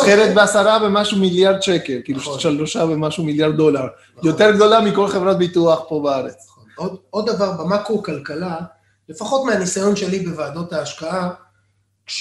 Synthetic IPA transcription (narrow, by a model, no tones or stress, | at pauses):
χeʁet̪̚beasaʁabe̞maʃumiljaʁd̪ʃeke̞lkiluʃʃalloʃabemaʃumiljaʁd̪̚ːo̞laʁ | jo̞t̪e̞ʁɡd̪o̞lamiko̞lχe̞vʁat̪̚bit̪uaχpo̞baaʁet͡s | odod̪ːavaʁbamakukalkala | le̞faχo̞t̪meanisajo̞nʃe̞libevaːd̪o̞t̪haːʃkaa | ʃ